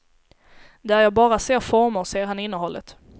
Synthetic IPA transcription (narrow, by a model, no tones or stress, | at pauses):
d̪ɛææɾjɑːɡbɑːɾaseːɾfɔɾmʊɾseːɾɦanɪnːəɦɔlːət̪